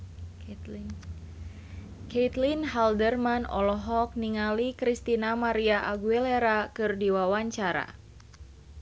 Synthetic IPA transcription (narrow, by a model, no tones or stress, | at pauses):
ket̪linɦaldərmanɔlɔɦɔk̚niŋalikɾist̪inamaɾiaʔaɡuɛleɾakɨrdiwawaɲt͡ʃaɾa̰